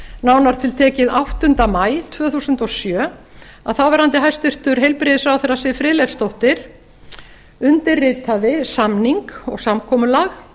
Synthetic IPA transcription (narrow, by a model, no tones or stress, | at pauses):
nawnaɾ̥t̪ʰɪlt̪ʰɛːcɪðawht̪ʏnt̪amaːjt̪ʰvœːθusʏnt̪ɔsjœːaðθawvɛɾhant̪ɪɦajst̪ɪr̥t̪ʏɾ̥ɦejlpɾɪːðɪsfɾawθɛrasɪfɾɪːlɛfst̪owht̪ɪɾ̥ | ʏnt̪ɪrːɪːt̪aðɪsamniŋkɔ̰ɣsamkʰɔːmʏlax